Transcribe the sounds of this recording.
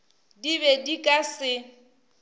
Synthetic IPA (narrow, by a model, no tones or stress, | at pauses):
diβɛdikʼasɪ